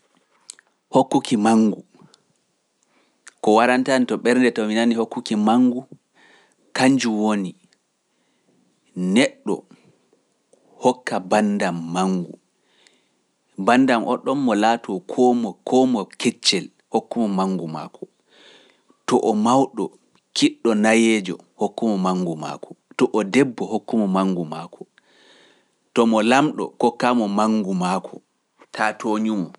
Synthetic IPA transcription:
hokːukimaŋɡu | kɔwaɾantanitɔɓɛɾndɛtɔminanihokːukimaŋɡu | kaɲd͡ʒuwoni | nɛɗːɔ̰ | hɔkːabandamːaŋɡṵ | bandamʔɔ̰ɗɔmːɔlatʰɔkʰɔmɔkʰɔmɔkɛt͡ʃːɛl | hokːumɔmaŋɡuma̰ːkʰɔ̥ | tɔʔɔmawɗɔ | kiɗːɔnajɛːd͡ʒɔ̰ | hokːumɔmaŋɡuma̰ːkʰɔ̥tɔʔɔdɛbːɔhokːumɔmaŋɡumaːkʰɔ̥ | tɔmɔlamɗɔ̰kɔkːamɔmaŋɡumakʰɔ | tʰatoɲumɔ

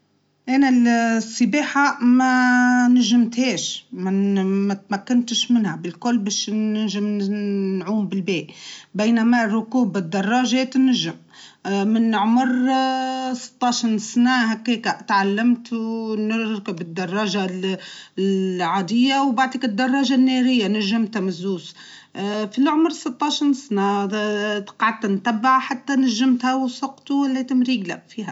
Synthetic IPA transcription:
ʔænalsˤːɪbeːħamænaʒɪmt̪heːʃmamat̪makːɪnt̪ɪʃmɪnhabɪlkʊlːbeːʃnɪʒɪmnʕuːmbɪlbeːʔbejnamarˤːʊkuːbɪd̪ːɑrˤːɑʒeːt̪nɪʒɪm | mɪnːʕmʊɾ | sɨ̥t̪ˤːɑʃɾsnæɦækːeːkaʔt̪ʕalːamt̪wnɪɾkɪbɪd̪ːɑrˤːɑːʒa | ʕad̪ɪjːawbaʕd̪ikɪd̪ːɑrˤːɑːʒanːeɾɪjːanæʒːɪmt̪hamɪzːuːs | filʕʊmɾsɨt̪ˤːɑʃnsnæ | t̪qʕad̪̚t̪nt̪abːaʕħat̪ːænaʒːɪmt̪hawsˤɑqt̪uwɪlːet̪ɪmɾiːɡlafiːhæ

